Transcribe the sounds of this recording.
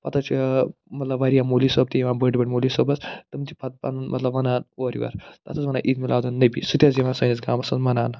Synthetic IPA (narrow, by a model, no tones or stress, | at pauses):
pɐt̪ʰɐt͡ʃʰimɐt̪lɐbʋɐɾijaːmoːlisoːb̚t̪ijiʋãːbəʈʲibɐʈʲmoːlisoːbɐst̪ɨmt̪ipɐt̪̚pa̰nunmʔɐt̪lɐbʋɐnaːnoːɾḭʋɐ̰ɾt̪ɐ̰t̪ʰɐsʋɐna̰ːʔit̪milaːd̪ɐnːɐbisut̪ʲɐt͡siʋaːnsɐːnisɡaːmɐsɐnmɐnaːn